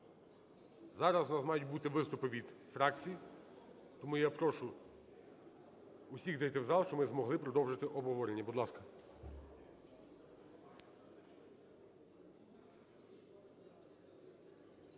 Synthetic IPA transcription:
zɑɾɐznɑsmɑjʊt̚ʲbut̪ɪʋɪst̪ʊpɪʋʲid̪fɾɑkt͡sʲiji | t̪ɔmujapɾɔʃʊ | ʊsʲiɣd̪ɛjt̪ɛwzɑlˠʃt͡ʃɔmɪzmɔɦlˠɪpɾɔd̪ɔwʒɪt̪ɪʔɔbɦɔʋɔɾenʲːɐbud̪lˠɑskɐ

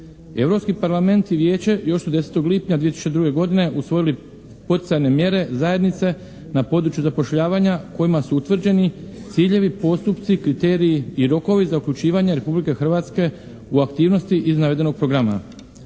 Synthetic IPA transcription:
e̞ʋɾo̞pskipaɾlame̞nt̪iʋje̞ːt͡ɕejo̞ʃsod̪ese̥t̪o̞ɡliːpɲad̪ʋiet̪isu̥t͡ʃt͡ɕed̪ɾuɡe̞ɡo̞d̪ine̞ʔusʋo̞jili | po̞t̪i̥t̪sajne̞mje̞ɾe̞zaje̞d̪nit̪se̞ | napo̞d̪ɾut͡ɕjuzapo̞ʃʎaːʋaɲako̞imasuut̪ʋr̩d͡ʑe̞nit̪siːʎe̞ʋipo̞st̪upt̪sikɾit̪e̞ːɾiːiɾo̞ko̞ʋizaukʎut͡ɕiːʋaɲeɾe̞publike̞xr̩ʋaːt̪ske̞ | uakt̪iːʋno̞st̪iʔiznaʋe̞d̪e̞no̞ɡ̚pɾo̞ɡɾama̰

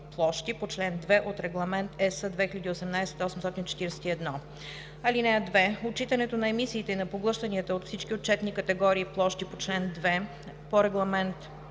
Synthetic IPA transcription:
plˠɔʃt̪ipot͡ʃlɛnd̪vɛʔot̪ɾɛɡlˠɐmɛnt̪ɛsəd̪vɛxilʎʲəd̪iosɛmnajsɛ̥t̪ɔsmst̪ɔt̪int͡ʃɛ̥t̪iɾɛsɛ̥t̪iɛd̪nɔ | ɐlinɛɐd̪vɛot͡ʃit̪ənɛt̪onɐɛmisiːt̪ɛinɐpoɡlˠɤʃt̪ɐniət̪əot̪fsit͡ʃk̟ʲiot̚t͡ʃɛt̪nikət̪ɛɡɔɾiːplˠɔʃt̪ipot͡ʃlɛnd̪vɛ | poɾɛɡlˠɐmɛnt̪

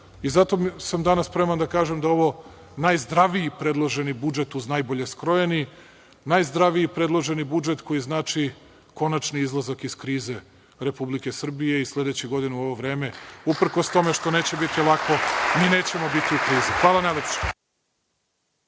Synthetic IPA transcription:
izat̪o̞samd̪anasːpɾe̞mand̪akaːʒemd̪ao̞ʋo̞ | najzd̪ɾaʋijipɾe̞d̪lˠoʒe̞nibud͡ʒet̪uznajbo̞ʎe̞skɾo̞je̞ni | najzd̪ɾaʋiipɾe̞d̪lˠoʒe̞nibud͡ʒet̪ko̞jiznaːt͡ʂi | ko̞nat͡ʃniizlˠazakiskɾiːze̞ | ɾe̞publike̞sr̩bije̞islʲe̞d̪et͡ɕiɡo̞d̪inuo̞ʋo̞ʋɾe̞ːme̞upr̩ko̞st̪o̞me̞ʃt̪o̞ne̞ːt͡ɕe̞bit̪ilˠakʰo̞miːne̞ːt͡ɕe̞mo̞bit̪iukɾiːzixʋaːlˠanajlepʃe̥

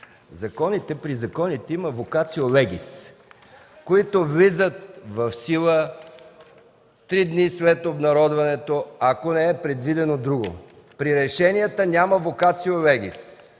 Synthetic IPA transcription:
zɐkɔnit̪ɛpɾizɐkɔnit̪ɛiməvokat̪siolɛɡʲis | koit̪ovlizət̪̚vɐfsilˠə | t̪ɾid̪nisvɛt̪obnɐɾɔd̪vɐnɛt̪oɐkonɛɛpɾɛd̪vid̪ɛnod̪ɾuɡo̰ | pɾiɾɛʃɛnijɛt̪ənʲaməvokat̪siolɛɡʲis

